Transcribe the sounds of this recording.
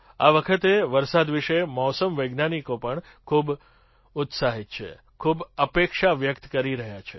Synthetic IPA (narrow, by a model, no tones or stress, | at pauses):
a̰ʋəkʰət̪eʋəɾsad̪ʋiʃemɔsəmʋəjɡnanikopəɳ | kʰub | ʊt̪saɦit̪̚t͡ʃʰḛ | kʰubəpekʃaʋjəkt̪kəɾiɾəɦjat͡ʃʰe